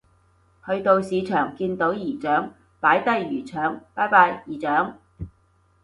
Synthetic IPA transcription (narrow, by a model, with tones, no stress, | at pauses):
hɵ˧ɥt̪o˧wsiː˨˧t͡ʃʰœː˨˩ŋkiː˧nt̪o˨˥wjiː˨˩t͡ʃœː˨˥ŋ | paː˨˥jt̪ɐ˥jːyː˨˩t͡ʃʰœː˨˥ŋpaː˨˥jpaː˧jjiː˨˩t͡ʃœː˨˥ŋ